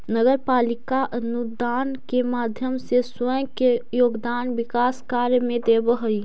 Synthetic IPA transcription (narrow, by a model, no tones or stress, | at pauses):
nəɡəɾpaːlɪkaʔənud̪aːnkemaːd̪ʱjəmseswəjkejoːɡd̪aːnbɪkaːskaːɾjmẽd̪ebəɦəi